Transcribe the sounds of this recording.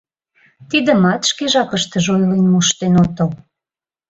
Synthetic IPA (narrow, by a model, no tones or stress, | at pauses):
t̪id̪ə̆mɑt̪ʃkeʒɑkə̆ʃt̪ə̆ʒojlənmuʃt̪enot̪ə̆l